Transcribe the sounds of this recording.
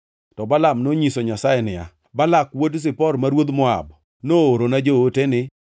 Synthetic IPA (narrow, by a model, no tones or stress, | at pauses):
tɔbalamnoɲisoɲasajɛnɪja̰ | balakwods̬ɪpɔrmaɾwod̪mɔa̰b | nooɾonad͡ʒootenɪ